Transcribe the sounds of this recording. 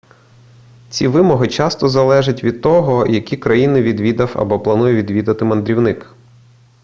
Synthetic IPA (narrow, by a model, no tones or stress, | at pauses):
t͡sʲiʋɪmɔɦɪt͡ʃɑst̪ɔzɐlˠɛʒɐtʲʋʲid̪̚t̪ɔɦɔjɐkʲikɾɐjinɪʋʲid̪ʋʲid̪ɐwɐ̰bɔplˠɐnujɛʋʲid̪ʋʲid̪ɐt̪ɪmɐnd̪ɾʲiwnɪk